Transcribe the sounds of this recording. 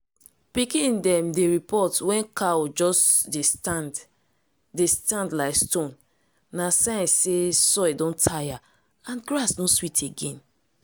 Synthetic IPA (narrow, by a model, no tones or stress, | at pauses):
pikĩndɛ̃mdeɹipɔtwɛ̃nkaod͡ʒɔsde | destãndlaɪstõnː | asãnsesɔjdɔ̃ntʰaja | ãnɡɾasnõswitʰeɡɛ̃n